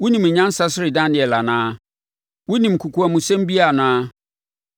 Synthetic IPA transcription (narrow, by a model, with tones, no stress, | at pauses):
wʊ˦nĩ˨m˨ɲã˦n˦sa˦sɪ˦ɾɪ˨dã˦nɪ̃˨ɛ˨la˨nãː˦ | wʊ˦nĩ˨m˨kʰu˨kʰu˨˦a˨mʊ̃˨sɛ̃˦m˦bi˦a˨nãː˦